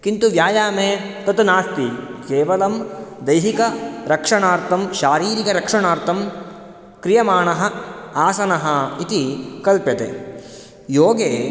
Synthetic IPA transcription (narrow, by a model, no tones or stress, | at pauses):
kint̪uʋjaːjaːmeːt̪ɐt̪unaːst̪ikeːʋɐlɐmd̪ɐjɦikɐɾɐkʂɐɳaːɾt̪ʰɐmʃaːɾiːɾikɐɾɐkʂɐɳaːɾt̪ɐm | kɾijɐmaːɳɐɦɐaːsɐnɐɦɐit̪ikɐlpjɐt̪ḛ | joːɡeː